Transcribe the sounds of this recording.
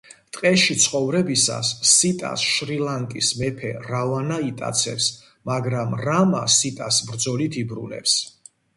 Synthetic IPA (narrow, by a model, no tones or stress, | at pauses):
t̪ʼqʼɛʃit̪sʰχɔvɾɛbisa̰sːit̪ʼa̰sʃɾilaŋkʼismɛpʰɛɾavanait̪ʼa̰t̪sʰɛ̰ps | maɡɾamɾamasit̪ʼasbɾd̪zɔlit̪ʰibɾṵnɛ̰ps